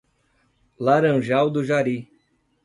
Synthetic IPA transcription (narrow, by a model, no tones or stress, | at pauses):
laɾɐ̃ʒawd̪ʊʒaɾi